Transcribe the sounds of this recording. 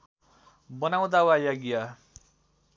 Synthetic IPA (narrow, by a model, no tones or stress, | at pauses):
bʌnaw̃d̪awajaɡja